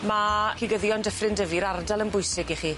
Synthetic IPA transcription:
makʰiɡəðjɔndəfrɪndəviɾardalˠənbʊjsɪɡiχi

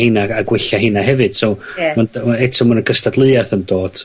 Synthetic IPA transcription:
hɪnaaɡwɪɬaɦɪnaɦɛvɨd̥somanɛtʰɔmanəɡəstadlˠɨaθəndoːd̥

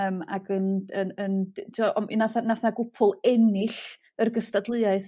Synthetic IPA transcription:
əːma̰ɡənəəntʰiwɔʔɔmʔḭnaθanaθnaɡʊpʰʊlˠɛnɪɬ | ərɡəstadlˠɨaɨθ

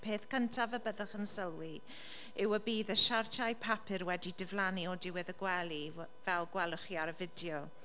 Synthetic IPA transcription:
pʰeːθkʰəntʰavəbəðəχənsəlˠwi | ɪwəbiːðəʃartʰajpʰapʰɨɾwɛdidɪvlˠaniɔdɪwɪðəɡwɛlˠi | vɛlˠɡwɛlˠʊχiaɾəvɪdjɔ

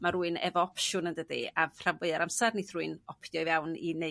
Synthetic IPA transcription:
maɾuɨnɛ̰vɔɔpʰʃʊnəndədḭavr̥avɨaɾamsarniθruɨnɔpʰjɔɨvawnḭne

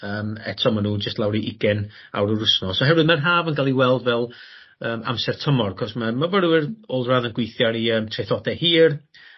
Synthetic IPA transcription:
əːmɛ̰tʰɔmanuːnd͡ʒəstlˠawɾiʔɪɡɛn | a̰wɾəɾʊsnɔsɔɦɛrvwɨðmanɦaːvənɡalˠiwɛlˠdvɛlˠ | əːmʔa̰msɛrtʰəmɔrakʰɔsmamavəɾwɪroːlˠdraːðənɡwejθjaɾiəːmtʰrejθɔdɛhiːr

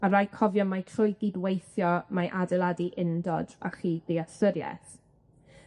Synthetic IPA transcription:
aɾajkʰɔvjɔmatʰrʊjɡidwejθjɔmaʔadɛlˠadiʔɪndɔda̰χiːðeasəɾjɛ̰θ

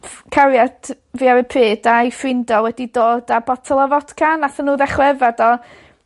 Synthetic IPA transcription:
kʰaɾjad̥ | viːaɾəpʰɪːdajfrɪndɔwɛdidoːdabɔtʰɔlˠɔvɔd̥kʰanaθənuːðɛχwɛvadɔ

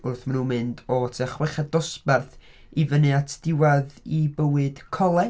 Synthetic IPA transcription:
ʊrθmanunmɨndɔtʰɛχwɛχadɔspɛrθ | ivənɨatʰd̥ɪwaðibəwɨd̥kʰɔlˠɛ

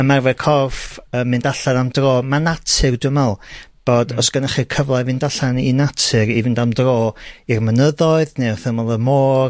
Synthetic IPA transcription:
əmarvɛkʰɔrfəmːɨndaɬanamdroːmanatʰɨrdumɛlˠb̥oːdɔsɡ̥ənəχikʰəvlˠavɨndaɬanḭnatʰɨɾivɪndamdroːirmənəðɔɨðneɔθəməlˠəmoːr

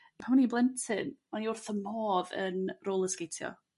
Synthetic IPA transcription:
pʰamɔniblˠɛntʰɪnmaniʊrθəmɔːðə̰nroːlˠəskejtʰjɔ̰

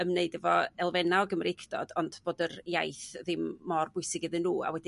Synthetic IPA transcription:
əmneɨdəvɔɛlˠvɛnaɔɡəmrɪkʰd̥ɔ̰d̥ɔndboːdərja̰jθðɪmːɔrbʊɨsɪɡɪðɨnːuːa̰wɛdi

